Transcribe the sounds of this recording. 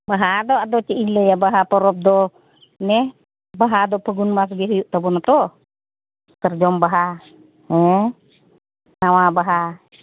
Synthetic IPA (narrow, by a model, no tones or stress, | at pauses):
baɦadɔadɔt͡ʃɛinləjabaɦapɔɾɔp̚dɔ | nɛ | baɦadɔpəɡunmas̬ɡɛɦujuʔt̪abɔnat̪ɔ | k̪ərd͡ʒɔmbaɦa | ɛ | nawabaɦa